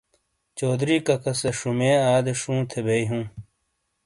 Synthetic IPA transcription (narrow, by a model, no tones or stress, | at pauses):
t͡ɕoːd̪ɾiːkɐkɐseʂumẽːaːd̪eʂũːt̪ʰebeiɦũː